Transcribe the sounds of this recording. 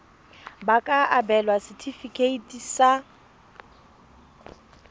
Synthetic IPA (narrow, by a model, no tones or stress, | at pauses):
bakʼaabɛlwasɪtʰifikʰʼeitʼisa